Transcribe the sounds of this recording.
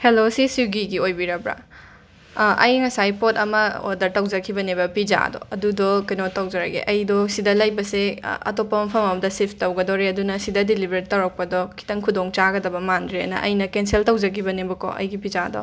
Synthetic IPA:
helosisiɡiɡiojbiɾɐbɾa̰ | ʔɐ̰jŋɐsajpotɐmɐo̰dɐɾtɐwd͡ʒɐkʰibɐnebɐpiza̰dɔ̰ɐdudɔkɐjnotɐwd͡ʒɐɾɐɡḛʔɐjdɔsidɐlɐjbɐseɐ̰topːɐmɐpʰɐmɐmɐdɐsipʰtɐwɡɐdoɾeɐdunɐsidɐdilibʱeɾɾitːɐwɾɐk̚pɐdɔkʰi̥tɐŋkʰudoŋt͡ʃaɡɐdɐbɐmandɾeɐ̰nɐ̰ʔɐ̰jnɐkenseltɐwd͡ʒɐkʰibɐnebɐkɔ̰ʔɐ̰jɡipizadɔ̰

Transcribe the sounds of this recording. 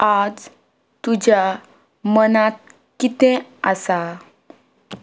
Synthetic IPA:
ad͡z | t̪ud͡ʑja | mənat̪̚ | kit̪ɛ̃əsa

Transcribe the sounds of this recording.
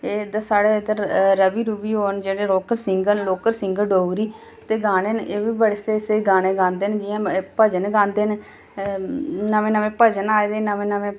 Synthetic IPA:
eːd̪əsaːɽeːd̪əɾɾəbiːɾuːbiːɦoːənd͡ʒeːɽeːɾoːkəɾsɪŋɡənloːkəɾsɪŋɡəɖoːɡɾiː | t̪eːɡaːneːneːʋiːbəɽeseːseːɡaːñeːɡãːnd̪eːnd͡ʒɪjãːpəd͡ʒənɡãːnd̪eːn | nəʋẽːnəmẽːpəd͡ʒənaːed̪eːnəmẽːnəʋẽː

